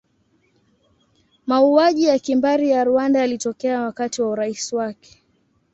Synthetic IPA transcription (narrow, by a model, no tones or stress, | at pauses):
mauaʄijakimbaɾijaɾuandaalitɔkɛawakatiwauɾaisiwakɛ̥